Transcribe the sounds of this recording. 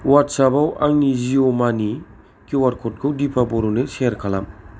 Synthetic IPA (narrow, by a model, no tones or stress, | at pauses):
watsabawa̰ŋniziomani | kiwaɾkʰɔt̚kʰɯwdipʰabɔɾoneseɾkʰalam